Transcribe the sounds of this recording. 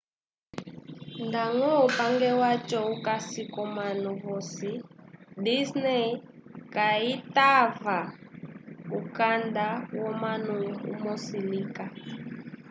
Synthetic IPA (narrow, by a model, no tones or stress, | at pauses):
ndaŋɔupaŋɡɛwat͡ʃʼɔukasikɔmanuvɔsidisnɛkaitava | ukandawɔmanuṵmɔsilika